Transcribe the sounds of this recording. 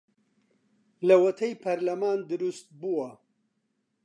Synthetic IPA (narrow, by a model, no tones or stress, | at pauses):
lɐwɐt̪ʰɐjpʰɐɾlɐmaːnd̪ɨɾust̪̚buwɐ